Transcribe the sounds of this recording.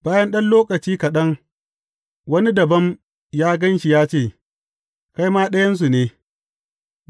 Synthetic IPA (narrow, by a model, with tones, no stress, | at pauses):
baː˦jɐ˦nɗɐ˦nloː˦kɐ˨t͡ʃiː˦kɐ˨ɗɐ˦ŋ | wɐ˦ni˦dɐ˨bɐ˦m | jaː˦ɡɐ˦nʃi˨jaː˦t͡ʃeː˦˨ | ka˦jmaː˦ɗɐ˦jɐ˦ns̬u˨neː˦